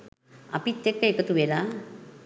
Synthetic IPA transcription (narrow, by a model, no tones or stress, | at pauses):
ɐ̰pit̪ːekːəekɐt̪uʋelaː